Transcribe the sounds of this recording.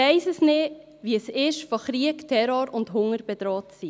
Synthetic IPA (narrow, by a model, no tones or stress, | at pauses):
ɛɪsəsnɪ | ʋiəsɪʃfoχɾiəktʰɛɾoɾʊndɦʊŋəɾb̥ɛd̥̪ɾoːtsi